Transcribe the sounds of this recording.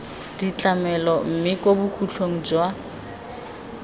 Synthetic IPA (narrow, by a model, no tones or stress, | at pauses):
d̥it͡ɬʼamɛlɔm̩mɪkʼobukʰut͡ɬʰoŋ̩d͡ʒwa